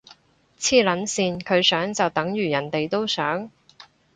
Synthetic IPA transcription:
t͡sʰiː˥lɐ˨˥nsiː˨˧nkʰɵ˨˧ɥsœː˨˥ŋt͡sɐ˨wt̪ɐ˨˥ŋjyː˨˩jɐ˨˩nt̪e˨jt̪o˥wsœː˨˥ŋ

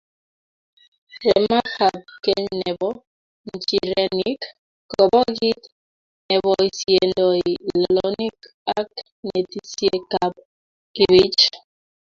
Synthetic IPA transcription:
ɾɛ˨ma˦xa˨p̚ke˦nɛ˨bɔ˦ | n̩˨t͡ʃi˨ɾɛ˨ni˦kː | ɔ˨bɔ˦ɣi˦t | nɛ˨bɔ˨i˨sje˨ndɔ˨i˨lɔ˨lɔ˨ni˦k | a˦k | ne˨ti˦sje˦ka˦p̚ | ki˦βi˦t͡ʃ

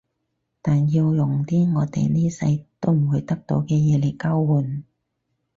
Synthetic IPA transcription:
t̪aː˨nji˧wjʊ˨ŋt̪iː˥ŋɔː˨˧t̪ḛ˨jniː˥sɐ̰˧jt̪o˥wm̩˨˩wu˨˧jt̪ɐ˥k̚t̪o˨˥wkɛː˧jɛː˨˧le˨˩kaː˥wwuː˨˩n

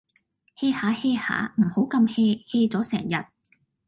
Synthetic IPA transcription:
he˧˥jhaː˨˥he˧˥jha̰ː˨˥m̩˨˩ho˨˥wkɐ˧mhe˧he˧jt͡sɔː˨˥sɛː˨˩ŋjɐ˨t̚

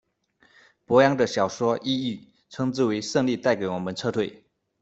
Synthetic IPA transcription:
pwɔ˧˥jɑ˥ŋd̪ə˨ɕjɑ˨˩ʊʂwɔ˥ʔi˥˧y˥˩ | ʈ͡ʂʰɤ˥ŋt͡sɹ̩˥˩we˧˥ɪʂɤ˥˧ŋli˥˧t̪a˥˩ɪke˨˥ɪwɔ˨˩mə˦nʈ͡ʂʰɤ˥˧t̪ʰwe˥˩ɪ

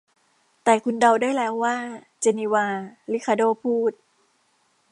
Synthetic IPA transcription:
t̪ɛː˨˩kʰu˧nda˧wdaː˥˩jlɛː˦˥wːaː˥˩ | t͡ɕe˧ni˧waː˧li˦˥kʰa˧doː˥˩pʰuː˥˩t̪̚

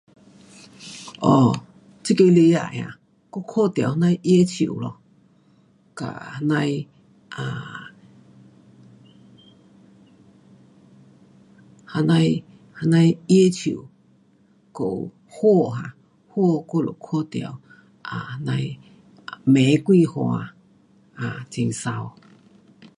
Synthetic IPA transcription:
o˨ | t͡si˦ke˧li˧ja̰˧˨ʔã̰˨ | ko˦˧kʰo˦t̪i˧a˨ha˦na˧jʔi˦e˦t͡ʃʰi˧˨ṵ˨lo˨ | ka̰˨ha˧na˧j | a˨ | hana˧j | ha˧nã˧ii˦e˦t͡ʃʰi˨ʔu˨ | ko˧˨ʔṵ | ho˦˨ɦa˧ | ho˦o˧ko˦˧lo̰˨kʰo˦t̪i˧a̰˨w | ʔa˨ha˧na˧i | me˨˦kui˦˧ho˧ã̰˧ | a˨t͡si˧ŋsa˧o˧

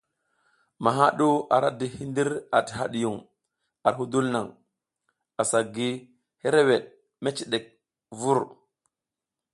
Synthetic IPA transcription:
ma˨ɦa˦ɗu˦a̰˨ɾa˦di˨hi˦ndi˦ɾa˨ti̥˨ha˦ɗi˨ju˨ŋ | a˨ɾɦu˦du˦lna˨ŋ | a˨sa˨ɡi˦ | he˦ɾe˦we˨ɗ | me˦t͡ʃi˨ɗe˨k̚ | vu˦ɾ

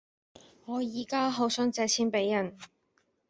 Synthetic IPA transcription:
ŋɔː˨˧jiː˨˩kaː˥ɦo˨˧˥wsœ˥ŋt͡sɛː˧t͡sʰiː˥npe˨˥jːɐ˨˩n

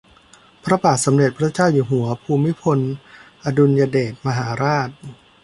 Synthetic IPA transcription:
pʰɾa˦˧baː˨˩t̪̚sa˩˦mɾe˨˩t̪̚pʰɾa˦˥t͡ɕaː˥˩wjuː˨˩ɦu˩˦ɐpʰuː˧mːi˦˥pʰo˧nʔa˧du˧njaː˧deː˨˩t̪̚ma˧ɦaː˩˦ɾaː˥˩t̪̚

